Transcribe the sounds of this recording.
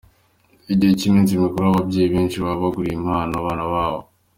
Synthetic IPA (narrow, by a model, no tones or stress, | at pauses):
eɟihecimiːnzimikuɾoaβabɟeːjiβiːnt͡ʃiβaβaɡuɾiːmaːnaβaːnaβaːβo